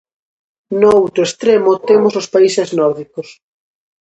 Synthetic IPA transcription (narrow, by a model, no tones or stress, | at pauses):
noowt̪ɾoest̪ɾemot̪emosospaiseznɔɾðikos